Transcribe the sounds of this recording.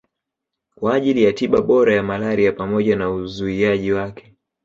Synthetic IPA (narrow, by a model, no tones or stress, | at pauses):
kwaːʄilijatiɓaɓɔɾajamalaɾiapamɔʄanauzuiaʄiwakɛ̥